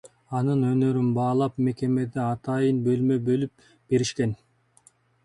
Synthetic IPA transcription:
ɑnɯnø̞nø̞ɾynbɑːlˠɑpme̞ke̞me̞d̪eɑt̪ʰɑjɯnbø̞lmøbølyp̚ | b̥e̞ɾiʃken

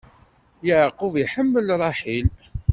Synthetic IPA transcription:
jəʕqːʊviħəmːəlɾˤɑħil

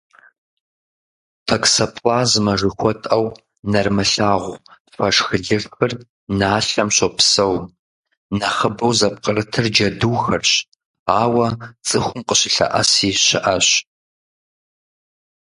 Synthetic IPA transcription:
tʰɐksɐpʰlaːzmɐʐɨxʷɔtʼɐw | nɐrmɨɬaːʁʷ | fɐʂxɨɮɨrxɨr | naːɬɐmɕʷopʰsɐw | nɐχəbɐwzɐp̚qʼərɨtʰɨrd͡ʒɐduːxɐrɕ | aːwɐt͡sʼɨxʷʊmqʼəɕɪɬɐ̰ʔɐ̰siːɕɪʔɐɕ

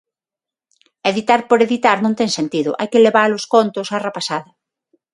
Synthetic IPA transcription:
eðit̪aɾpoɾeðit̪aɾnõŋt̪ɛŋsent̪iðʊʔajkɪleβaɾloskont̪ʊsarepasaðɐ

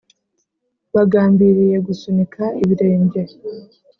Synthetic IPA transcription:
βaɡaːmbiɾije̞ɡusunikʰaiβiɾe̞ːmbɟe̞

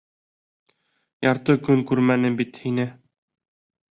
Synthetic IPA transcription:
jɑɾt̪ɤkɵŋkʉɾmænɘbit̪hinɘ

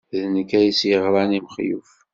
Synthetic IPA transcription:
ðnəkːæjisjəʁɾˤɑnimχjṵf

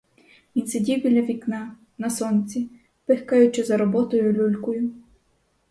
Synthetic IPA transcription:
ʋʲinsedʲiwbʲilʲɐʋʲiknɑ | nɐsɔnt͡sʲi | pɪxkɑjʊt͡ʃɪzɐɾɔbɔt̪ɔjʊlʲulʲkɔjʊ

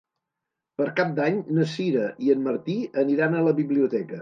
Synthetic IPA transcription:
pəɾkap̚d̪aɲnəsiɾəʔiənməɾt̪iəniɾanələβiβliut̪ɛkə

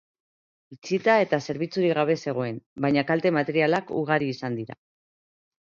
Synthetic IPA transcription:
it͡sit̪ae̞t̪ase̞ɾβ̞it͡suɾiɣaβ̞e̞se̞ɣ̞o̞e̞nbajɲakalt̪e̞mat̪e̞ɾialakṵɣ̞aɾiːsand̪iɾa̰

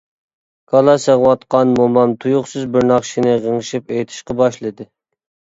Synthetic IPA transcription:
kʰɑlˠɑsəʁwɑt̪qɑnmomɑmt̪ʰujuχsɨzbɪɾnɑχʃinɨʁəŋʃipejt̪ʰɪ̥ʃqɑbɑʃlˠɨd̪ɨ

